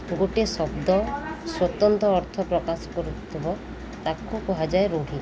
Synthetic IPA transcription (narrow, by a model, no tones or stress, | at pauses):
ɡoʈesɔbd̪ɔswɔt̪ɔnt̪ɔːɾt̪ʰɔpɾɔkasɔ̥kɔɾut̪ʰibɔ | t̪akukɔɦad͡ʒaeɾoɽ̤i